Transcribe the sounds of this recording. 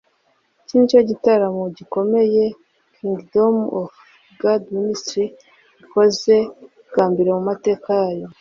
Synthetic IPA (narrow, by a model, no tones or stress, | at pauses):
cint͡ʃoɟitaɾamoɟiko̞me̞je̞ | kʰiŋɡdomof | ɡadministɾi | iko̞ze̞ | ɡaːmbiɾamumate̞ːkajajo̞